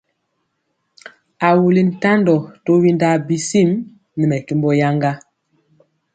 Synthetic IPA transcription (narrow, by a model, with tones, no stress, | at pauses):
a˨wu˨li˨n̩˨ta˦ndɔ˨to˦wi˦nda˦bi˨si˦˨m | ni˨mɛ˨ki˦mbɔ˦ja˦ŋɡa˦